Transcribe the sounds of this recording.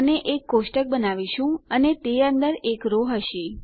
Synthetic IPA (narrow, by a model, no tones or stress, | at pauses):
neʔekːosʈək̚bənaʋiʃũənet̪eə̃nd̪əɾekɾoɦəʃi